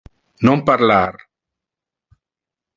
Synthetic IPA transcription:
nõmpaɾlaɾ

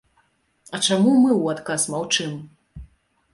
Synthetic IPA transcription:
ɐt͡ʂamumɨwat̪kasmawt͡ʂɨm

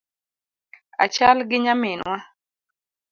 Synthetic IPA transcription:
a̰t͡ʃalɡɪɲamɪnwa

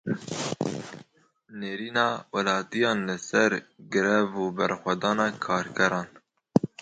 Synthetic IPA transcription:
neːɾiːnɑːwælɑːt̪ijɑːnlɨsɛɾɡɨɾɛvuːbɛɾxʷɛd̪ɑːnɑːkʰɑːɾkʰɛɾɑːn

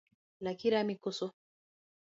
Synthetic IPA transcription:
lakiɾamikɔsɔ

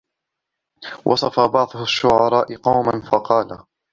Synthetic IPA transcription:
wʔɑ̰sˤɑfabɑʕðˤʊhʊʃːʊʕɑɾˤɑːʔɪqɑwmanfɑqɑːla

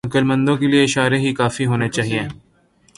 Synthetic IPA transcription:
ɐkəlmə̃nd̪õkelieɪʃaːɾeɦikaːfiɦoːnet͡ʃaːɦiẽː

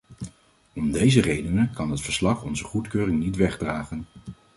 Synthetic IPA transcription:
ɔmdejzərejdənəkɑnɦətfəɹslɑχɔnzəχutkøːrɪŋnitʋɛχdraːχən

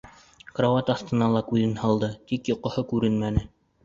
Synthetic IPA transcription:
krovɑt̪ɑθt̪ɤ̆nɑlˠɑkʉðɘnhɑlˠd̪ɤt̪ikjŏqŏhɤkʉɾɘnmænɘ

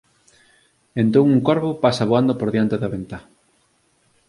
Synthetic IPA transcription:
ent̪oŋuŋkoɾβopasɐaβoand̪opoɾðjant̪eðɐβent̪a

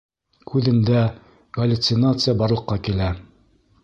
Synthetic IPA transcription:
kʰʉðɘ̆nd̪æ | ɡɐlʲʊt̪sɪnat̪sɨjabɑɾlˠɤ̆qːɑkilæ

